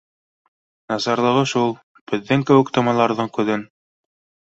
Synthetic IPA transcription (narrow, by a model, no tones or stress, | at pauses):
nɑsɑɾlˠɤ̆ʁɤʃulˠ | b̥ɘ̆ðːɘŋkɘ̆wɘ̆kt̪ɑmɑlˠɑɾðɤɴkʉ̆ðɘn